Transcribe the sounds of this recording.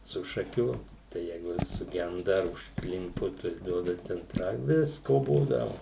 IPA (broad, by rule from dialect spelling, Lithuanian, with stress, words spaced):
sʊ ʃɐˈkʲuː tɐɪ ˈjɛɪɡʊ ˈʋʲɪs sʊˈɡʲɛndɐ ɐr ʊʃkˈlʲɪmpʊ tɐɪ ˈduɔdɐ ˈtʲɛn ˈɐɪ ˈʋʲɪskoː ˈbuːdɐʋʊ